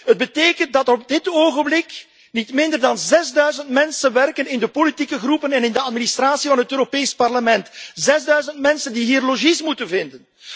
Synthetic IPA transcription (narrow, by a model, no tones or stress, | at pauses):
ɦəd̚bəteːkənt̚dɑtɔb̚dɪtoːɣənblɪk | nitmɪndərdɑnzɛzdœɥzəntmɛnsənʋɛrkənɪndəpolitikəɣrupənɛnɪndəɑtminist̪raːsivɑnɦətøːɾopeːspɑrləmɛntzɛzdœɥzəntmɛnsəndiɦiːrloʒismutənvɪndən